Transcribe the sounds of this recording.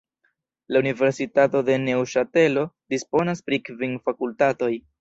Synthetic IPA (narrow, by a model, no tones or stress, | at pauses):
launive̞ɾsitato̞de̞ne̞wʃate̞lo̞dispo̞naspɾikviŋfakultato̞j